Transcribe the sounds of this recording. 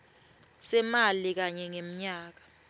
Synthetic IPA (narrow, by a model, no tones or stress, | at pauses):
sɛmalik̬aɲɛŋem̩ɲaːk̬ḁ